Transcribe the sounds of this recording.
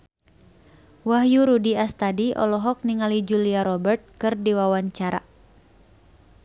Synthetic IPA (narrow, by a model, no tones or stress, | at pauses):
waɦjuɾudiast̪adiʔɔ̰lɔɦɔk̚niŋalid͡ʒuliaɾɔbərt̪̚kɨrdiwawaɲt͡ʃaɾa̰